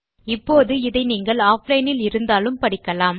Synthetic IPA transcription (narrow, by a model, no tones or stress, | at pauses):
ɪpːoːðɯɪðɐɪniːŋɡɐɭaːplɐɪnɪlɪɾɯnd̪aːlɯmpɐɽɪkːɐlaːm